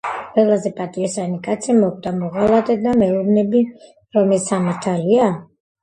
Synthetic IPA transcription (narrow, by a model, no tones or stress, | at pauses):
qʼwɛlˠazɛpʼat̪ʼiisanikʼat̪sʰimɔkʼd̪amɔʁalˠat̪ʼɛd̪amɛuɾnɛbi | ɾɔmɛsamaɾt̪ʰalia